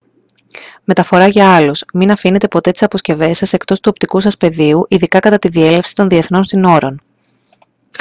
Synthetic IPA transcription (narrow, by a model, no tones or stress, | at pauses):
me̞t̪ɐfo̞ɾɐʝɐɐlusminɐfine̞t̪e̞po̞t̪e̞t̪isɐpo̞sce̞ve̞sɐse̞kt̪o̞st̪uo̞p̚t̪ikusɐspe̞ðiuʔiðikɐkɐt̪ɐt̪iðie̞le̞fsi̥t̪o̞nðie̞θno̞nsino̞ɾo̞n